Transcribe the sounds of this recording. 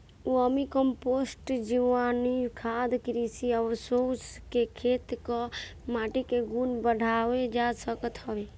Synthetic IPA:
uəmikəmposʈd͡ʒiʋanikʰad̪kɾisiəʋsoskekʰet̪kɔ | maʈikeɡunbəɽʱawed͡ʒasəkət̪ɦəʋe

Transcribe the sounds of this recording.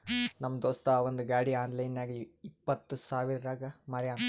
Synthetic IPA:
nɐmːɐd̪oːst̪aʋond̪uɡaːɽiaːnlɐjnjaːɡiipːɐt̪ːusaːʋiɾɐɾaːɡɐmɐɾjaːn

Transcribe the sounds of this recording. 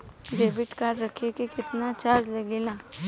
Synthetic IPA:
ɖeːbɪʈkaːɾːɐkʰekekɪt̪nat͡ʃaɾd͡ʒlɐɡelaː

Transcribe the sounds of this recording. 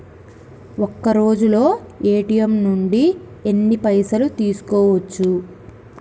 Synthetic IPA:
okːɐɾo̞ːd͡ʒulo̞ː | eːʈijɐmnuɳɖi | enːipɐjsɐlut̪iːsu̥kɔːʋɐt͡ʃːu

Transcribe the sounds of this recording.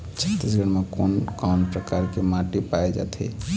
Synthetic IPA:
t͡ʃʰət̪isɡəɽmekonkanpɾəkaɾkemaʈipaed͡ʒa̰t̪ʰḭ

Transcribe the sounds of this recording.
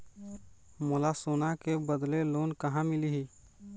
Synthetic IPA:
molasoːnakebəd̪leloːnkəɦãmɪliɦi

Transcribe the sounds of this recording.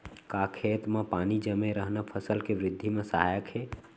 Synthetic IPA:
kakʰet̪mepanid͡ʒəmeɾəɦnəpʰəsəlkeʋɾɪd̪ʱːimesəɦajəkʰe

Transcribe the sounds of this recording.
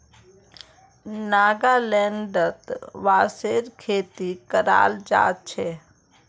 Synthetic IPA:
naːɡalɛ̃ːɳɖət̪ʋaːseːɾkʰeːt̪ikəɾa̰ːld͡ʒa̰ːt̪̚t͡ʃʰeː

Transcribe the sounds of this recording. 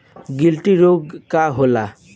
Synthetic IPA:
ɡilʈiɾoɡkaɦola

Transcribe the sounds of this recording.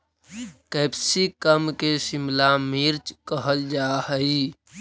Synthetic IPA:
kəpsikəmkesimlamiɾt͡ʃkəɦəld͡ʒahəi

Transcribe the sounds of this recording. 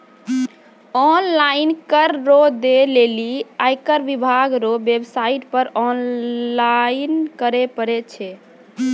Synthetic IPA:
ɔnlainkəɾːod̪eleliajkəɾʋibʱaɡɾobebsaiʈpəɾɔnlainkəɾepəɾɛt͡ʃʰɛ

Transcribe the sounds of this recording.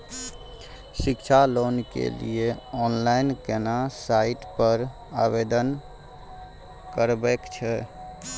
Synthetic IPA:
sɪkt͡ʃʰaloːnkḛlḭeɔːnlaɪnkenasaɪʈpəɾ | abed̪ən | kəɾbekt͡ʃʰɛ

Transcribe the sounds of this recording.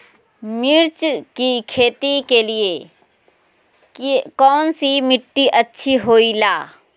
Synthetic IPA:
mɪɾt͡ʃkikʰeːt̪ikelie | kɔːnsimɪʈːiʔɐtːʃʰiɦoːilaː

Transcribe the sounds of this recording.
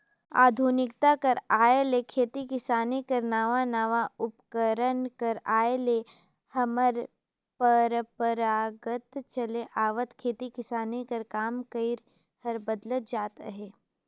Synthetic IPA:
a̰ːd̪ʱuːnɪkt̪akɐɾaːelekʰeːt̪ikɪsaːnikɐɾnaːʋanaːʋaʊpkəɾənkəɾaːele | hɐməɾ | pəɾəpəɾaːɡət̪t͡ʃɐleʔaːʋət̪kʰeːt̪ikɪsaːnikɐɾkaːmkəɪɾ | hɐɾbəd̪lət̪̚d͡ʒaːt̪əɦeː

